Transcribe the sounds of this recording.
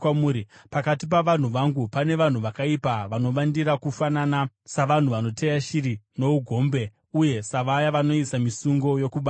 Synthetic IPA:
amuɾipakatip̬aʋan̤uʋaŋɡupane̞ʋan̤uʋakaipaʋano̞ʋandiɾakufanana | saʋan̤uʋano̞tejaʃiɾino̞uɡʱo̞ːmbe̞ | uje̞saʋajaʋano̞isamisuŋɡo̞jo̞kuɓa

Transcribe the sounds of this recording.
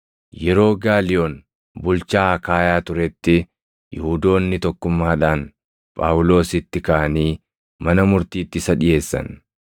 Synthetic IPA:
jɛɾo̞ːɡaːlɪjoːn | bʊlt͡ʃaːkaːjaːt̪ʊɾɛt̪ːɪ | jɪhud̪o̞ːnːɪt̪ɔkːʊmːaːᶑaːn | pʼa̰ːwʊlo̞ːsɪt̪ːɪkɐʔɐniː | mɐnɐmʊɾt̪iːt̪ːɪsɐᶑɪje̞ːsːɐ̰n

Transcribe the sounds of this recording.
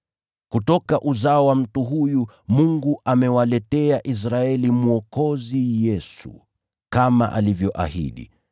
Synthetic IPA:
kutɔkaʔuzaɔwam̩tuɦuju | muŋɡuʔamɛwalɛtɛaʔis̬ɾaɛlimuɔkɔzijɛsṵ | kama̰ʔa̰livjɔʔa̰hḭɗḭ

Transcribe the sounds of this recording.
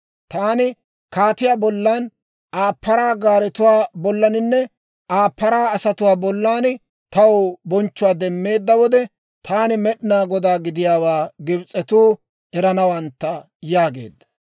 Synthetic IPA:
t̪aːnɪ | kaːt̪ɪjaːbɔlːaːn | aːpːɐɾaːɡaːɾɛt̪ʊwaːbɔlːɐnɪnːɛ | aːpːɐɾaːɐsɐt̪ʊwaːbɔlːaːn | t̪ɐwbɔnt͡ʃːʊwaːd̪ɛmːe̞ːd̪ːɐwɔd̪ɛ | t̪ʰaːnɪmɛɗnaːɡɔd̪aːɡɪd̪ɪjaːwaːɡɪbt͡sʼɛt̪uː | ɛɾɐnɐwɐnt̪ːɐ | jaːɡḛːd̪ːɐ̥

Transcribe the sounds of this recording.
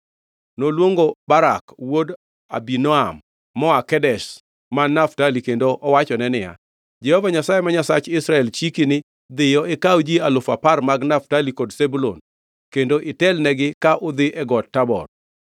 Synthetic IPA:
nolwoŋɡobaɾakwod | a̰binɔamː | ɔakɛdɛʃ | manaftalikendoʔɔwat͡ʃɔnɛnɪja̰ | d͡ʒɛhɔvaɲasajemaɲasat͡ʃɪsɾaɛlt͡ʃikinɪ | d̪ɪjɔʔɛkawd͡ʒialʊfaparmaɡnaftalikodsebulo̰n | kendoʔɪtɛlnɛɡɪkaʔʊd̪ɪʔɛɡɔtːabɔ̰r

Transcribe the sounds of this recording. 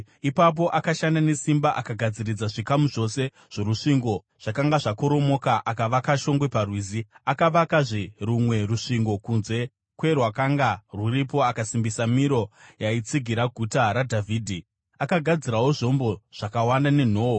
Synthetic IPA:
ipap̬o̞ʔakaʃandane̞simbaʔakaɡʱad͡zirid͡zaʐikamuʐo̞se̞ | ʐ̥o̞ɾuʂiŋɡo̞ | ʐ̥akaŋɡaʐako̞ɾo̞mo̞kaʔakaʋakaʃo̞ŋɡwe̞parwiziakaʋakaʐirumwe̞ruʂiŋɡo̞kunze̞ | kwe̞rwakaŋɡaruripo̞akasimbisamiɾo̞jait͡siɡʱiɾaɡʱutaɾadʱavʱiːdʱi | akaɡʱad͡ziɾawo̞ʐo̞mbo̞ʐ̥akawandane̞n̤o̞ːwo

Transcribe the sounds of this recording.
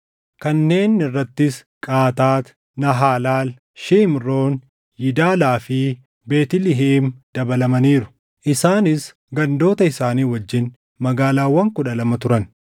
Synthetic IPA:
kɐnːe̞ːnɪrːɐt̪ːɪskʼaːt̪aːt̪ | nɐɦaːlaːl | ʃiːmroːn | jɪd̪aːlaːfɪ | beːt̪ɪlɪɦeːmd̪̥ɐbɐlɐmɐniːɾʊ̥ | ʔɪsaːnɪs | ɡɐnd̪o̞ːt̪ɐɪsaːniːwɐd͡ʒːɪn | mɐɡaːlaːwːɐŋkʊᶑɐlɐmɐt̪ʊɾɐn

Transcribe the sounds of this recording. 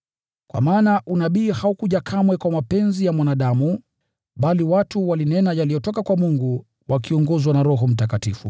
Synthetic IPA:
kwa̰maːnaʔunaɓiːhaukuʄakʰamwɛkwamapɛnzijamwanaɗamu | ɓaliwatuwalinɛnajalijɔtɔkakwamuŋɡu | wakiɔŋɡɔzwanaɾɔɦɔm̩takatifṵ

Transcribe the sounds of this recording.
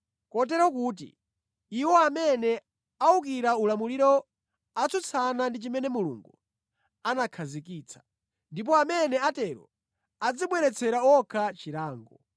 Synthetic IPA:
kɔt̬ɛɾɔkuːt̬ḭ | iwɔamɛnɛ | auk̬iɾaulamuliɾɔ | at͡sʰut͡sʰanandit͡ʃimɛnɛmulṵŋɡu | anakʰazikiːt͡sʰḁ | ndip̬ɔamɛnɛatɛɾɔ̰ | ad͡ziɓwɛɾɛt͡sʰɛɾaɔkʰat͡ʃiɾaːŋɡɔ

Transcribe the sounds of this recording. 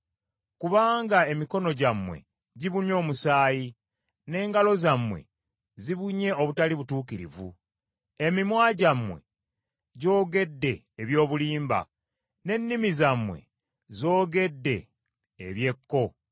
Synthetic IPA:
kuβaːŋɡae̞miko̞no̞ɟamwe̞̰ | ɟiβuno̞ːmusaːji | ne̞ːŋɡalo̞zamwe̞̰ | ziβuɲe̞o̞βutaliβutuːkiɾḭvṵ | e̞mimwaːɟamwe̞̰ | ɟo̞ːɡe̞dːe̞ːβjo̞ːβuliːmba̰ | ne̞nːimizamːwe̞̰ | zo̞ːɡe̞dːe̞ː | βje̞kːo̞

